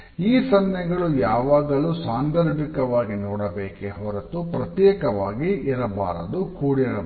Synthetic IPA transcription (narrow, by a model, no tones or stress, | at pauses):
iːsɐnjɐɡɐɭujaːʋaːɡɐlusaːnd̪ɐɾbikɐʋaːɡinɔːɽɐbeːkeɦɔɾɐt̪upɾɐt̪jɛːkɐʋaːɡiʔiɾɐba̰ːɾɐ̰d̪ukuːɽiɾɐ